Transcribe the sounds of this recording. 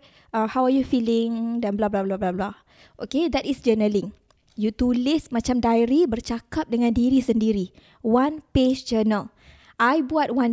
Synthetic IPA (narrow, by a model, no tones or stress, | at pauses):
ahawajufilɪŋdanblablablablabla | ʔoked̪ɛtisd͡ʒənəlɪ̃ŋ | jut̪ulɪsmãt͡ʃamdajɾibərt͡ʃakap̚dəŋãndiɾisəndiɾi | wanped͡ʒd͡ʒənəl | ʔajbuat̚wãn